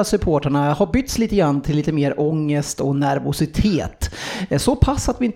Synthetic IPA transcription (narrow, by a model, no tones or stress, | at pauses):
sɵpʰoːʈaɳahaɾbʏt̪ːsliːt̪əɡɾanːt̪ʰɪlːiːt̪əmeːɾʔɔŋːəst̪ɔnæɾvʊsɪt̪ʰeːt̪sɔpʰasːat̪vɪɪn